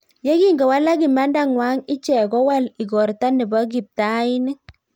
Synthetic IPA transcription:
jɛ˦ki˦ŋɡɔ˨wa˦la˦ki˨ma˦nda˦ŋwa˨˦ŋɪ˦t͡ʃɛ˨kɔ˦wa˦li˨ɡɔ˨ɾta˦nɪ˨bɔ˦ɡ̬i˨p̚ta˦ɪ˦nɪ˦

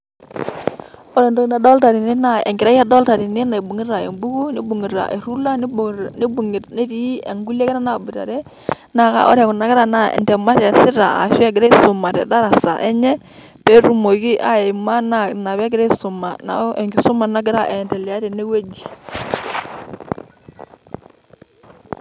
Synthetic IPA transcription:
ɔ˦ɾɛ˨ndo˦knda˨dɔ˦lta˨ɾi˨ne˦na˨ɛ̰˨ŋɡɪ˨ɾa˦ja˦dɔ˦lta˨ɾi˨ne˦na˨i˨bu˨ŋi˦ɾa˨ḛ˨mbu˦ɡu˦ni˦bu˨ŋi˨ɾa̰˨ʔḛ˨ɾu˦la˦n˦ni˦bu˨ŋ˨tne˦ɾi˦ɛ̰˨ŋɡu˦le˦kɛ˦ɾa˦na˨bu˨ɾa̰˨ɾɛ˦ | na˨ka̰˨ʔɔ̰˦ɾɛ˨ku˨na˨˦ɡɪ˦ɾa˨na˦˨ɛ̰˨ndɛ˨ma˦ɾɛ˨sɪ˦ɾa˨a̰˨ʃɛ˦ɡɪ˨ɾa˦i˦sʊ˨ma˨ɾɛ̰˨da˦ɾa˨sa̰˨ʔɛ˦ɲɛ˦ | pɛ˦ɾu˨mo˨ɡi˦ʔa˦ɛ˨ma˦na˨na˨βɛ˦ɡɪ˦ɾɛ˦i˦su˨ma˨na̰˨˦ɛ̰˨ŋɡi˨su˦ma˨na˦ɡɪ˦ɾa˦ʔɛ˨ndɛ˨li˨a˦ɾɛ˨ne˦we˦d͡ʒi˨

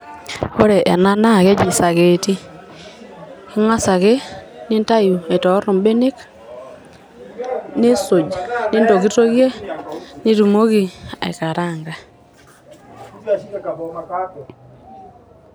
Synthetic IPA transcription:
o˦ɾɛ˨ʔa̰˨na˦na˦˨ɣe˦d͡ʒi˨sa˨ɣe˨ti˦ | i˦ŋwa˦sa˨ɣe˦ne˦nta˦ju˨e˨tɔ˨˦ɾo˨mbe˦ne˦k | ne˦so˨d͡ʒne˦ndo˨ɣi˦to˦ɣje˦ni˦ɾu˨mo˦ɣi˨ḛ˨ka˨ɾa˦˨ŋɡa˨

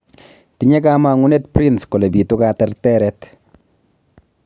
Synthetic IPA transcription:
tiɲɛ˦kama˨ŋu˦ne˦tpɾi˦nskɔ˨le˨bi˨tʊkatɛɾtɛɾɛt

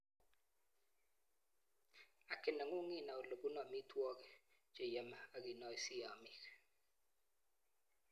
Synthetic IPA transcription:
a˨kɪ˨na˨ŋo˦ŋɪ˦˨na˨o˨lo˨ɡu˦nɔ˨mi˦twɔ˦kɛ˨d͡ʒe˨jɛ˨ma˨a˨ɡɪ˨nɔ˦i˨si˦a˨mɪ˦˨k

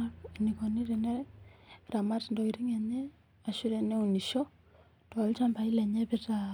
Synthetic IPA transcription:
a˦kni˨kɔ˨ni˦ɾi˨nɛ | ɾa˨ma˦tndɔ˨i˨ɾi˦ŋɛ˨ɲɛ˦ | a˨ʃu˦ɾɛ˨nɛ˦u˨ni˨ʃɔ˦ | tɔ˨˦lt͡ʃa˦mpa˨i˦lɛ˨ɲɛ˦pɪ˦ta

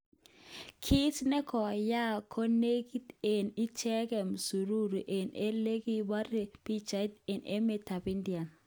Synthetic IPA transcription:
kʰi˦tnɛ˦kɔ˨ja˦kʰo˦ne˦ɡi˦te˨ni˦t͡ʃɛ˦kɛ˨msu˨ɾu˦ɾu˨ʔe˨ne˦le˦ɡi˦ba˦ɾe˨pi˦t͡ʃa˨˦te˨nḛ˦me˨ta˨pi˦ndi˨a˨n

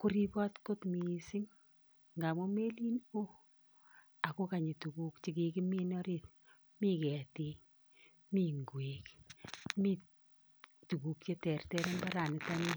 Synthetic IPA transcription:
kʊ˦ɾi˦pɔ˦tko˦tmisɪ˦ŋ | ŋɡa˨mɔ˦me˦li˦no˦ | a˨ko˦ka˨ɲi˨tu˨ku˦kt͡ʃi˦ki˨kɪ˦mi˦nɔ˦ɾiːt̚ | mi˦kɛ˨ti˦ | mi˦ŋɡwekmi˦ | tu˨ku˨k̚t͡ʃe˦tɛ˨rtɛ˦ɾe˦mba˦ɾa˨nɪ˨ta˦ni˦

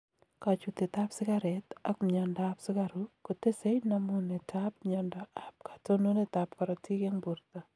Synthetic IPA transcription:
ka˨t͡ʃu˨t̪e˨t̪a˦psɪ˦ka˦ɾɛta˦kmɲɔ˨ndaa˦psɪ˦ka˦ɾuko˨te˦se˦jna˦mu˦ne˨tʰap̚ɲɔndɔa˨p̚kḁ˨to˦no˦ne˦t̪ap̚ka˨ɾɔ˨ti˦ke˦ŋbu˨ɾt̪ɔ˨

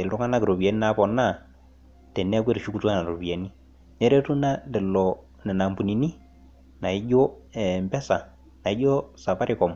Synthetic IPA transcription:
e˨ldu˦ŋa˦na˦ki˨ɾo˨bi˨a˨ni˦na˦pɔ˨na˦˨ | tɛ˨nɛ˦kwe˦ɾʃu˦ku˨tu˦a˦na˨ɾo˨bi˨a˨ni˦ | nɛ˦ɾe˦tu˦na˦dɛ˨lɔ˨ | nɛ˨na˨mbu˨ni˨ni˦ | na˨i˦ɟɔ˦ɛ˨mbɛ˦sa˨ | na˨i˦ɟɔ˦sa˨pa˦ɾɪ˦kɔ˨m

